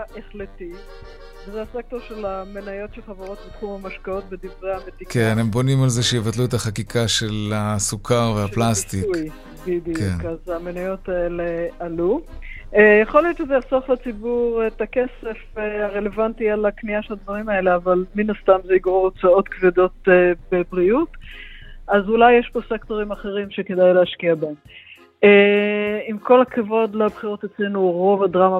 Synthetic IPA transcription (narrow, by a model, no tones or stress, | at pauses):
aʔeχleti | vezehasek̚toʁʃe̞lamenajo̞tʃelχaveʁo̞t̪̚bet̪χumhamaʃkao̞t̪̚bed̪ivʁehamet̪ikenembonimalzeʃejevat̪luetaχakikʰaʃelasukʰaʁveaplast̪iukj | bidijkuenkazamenajo̞t̪aelealu | jaχo̞lijo̞t̪ʃezejaχsoχlat͡sibuʁet̪akese̞faʁe̞levantialakniaʃelad̪vaʁimae̞le̞avalminast̪amzeiɡʁoʁot͡sao̞t̪kved̪o̞tebebʁiut | ʔazulajːeʃpo̞sekt̪o̞ʁimaχe̞ʁimʃe̞ke̞dajlehaʃkiabaem | eimko̞lakʰavo̞d̪labχiʁo̞t̪et͡sle̞nuʁo̞vadʁama